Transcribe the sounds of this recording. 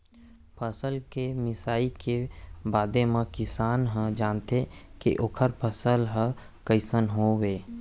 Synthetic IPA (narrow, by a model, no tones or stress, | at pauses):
pʰəsəlkemɪsaːikebaːd̪emə̃kɪsaːnɦə̃d͡ʒaːnt̪ekḛʔokʰəɾpʰəsəlɦə | kəɪsənɦoweː